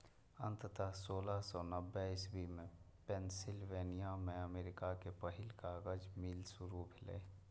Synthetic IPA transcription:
ə̰̃nt̪ət̪əɦsoːlasɔnəbːɛɪsbimẽ | pensɪlʋeːnijamẽəmeːɾɪkakepəɦɪlkaɡəd͡ʒmilsʊɾubʱɪlə̰

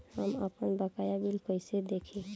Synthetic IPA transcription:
həməpənbəkajabilkəjsed̪ekʰi

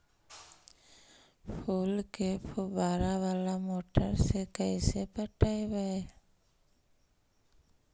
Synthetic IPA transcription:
pʰuːlkepʰubaːɾaʋaːlamoːʈəɾsekəisepəʈaːebəe

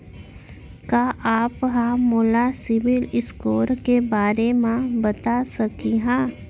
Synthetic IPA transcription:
kaːʔaːpɦãmoːlasɪʋɪlɪskoːɾkebaːɾemãbɐt̪asɐkiɦɛ̃ː

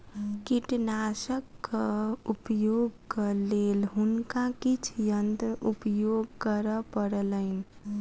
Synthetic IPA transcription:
kiʈnasəkːəupəjoɡkəlelɦunkakit͡ʃʰjənt̪ɾəʔupəjoɡ̚kəɾəpəɽələɪn

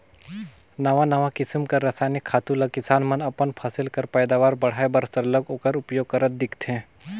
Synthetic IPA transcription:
nɐʋãnɐʋãkɪsɪmkɐɾɐsaːnɪkʰːaːt̪ulɐkɪsaːnmɐnɐpənpʰasɪlkɐɾpɛjd̪aːʋaːɾbɐɽ̤aːebəɾsəɾləɡoːkəɾʊpjoːɡ̚kɐɾət̪̚d̪ɪkʰt̪ʰẽː

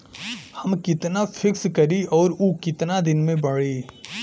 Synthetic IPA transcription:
hɐmkɪt̪nafʰɪkskɐɾiɔːɾukɪt̪nad̪ɪnmẽbɐɽeː

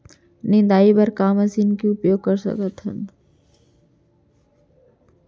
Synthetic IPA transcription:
nɪ̃nd̪aːibɐɾkaːməsinkiʊpjoːɡ̚kəɾsə̰kət̪ɦə̰n

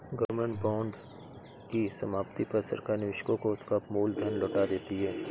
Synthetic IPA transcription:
ɡəɾmə̃ɳʈbaːɳɖ | kisɐmaːpt̪ipɐɾsɐ̰ɾkaːɾnɪʋɪʃkõkoʊskamuːld̪ʱənloːʈad̪eːt̪iɦɛː

